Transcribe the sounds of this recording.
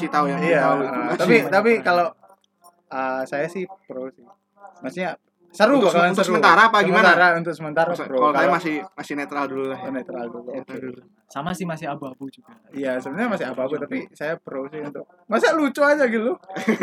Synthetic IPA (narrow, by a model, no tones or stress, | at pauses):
asit̪aujaŋijaauət̪apit̪apikalo | əsajasɪhpɾowsɪh | masiɲa | səɾubakalasəəɾuənt̪aɾaːpaɡəɡimət̪aɾaunt̪ʊk̚səmənt̪aɾapɾoalkaajamasɪhmasɪnet̪ɾaldululahnet̪ɾaldulu | samasɪhmasɪɦabuabut͡ʃuɡa | ijasəbənɲamasɪabuabut̪apisajapɾowsɪunt̪ʊk̚ | masilut͡ʃoad͡ʒaɡilu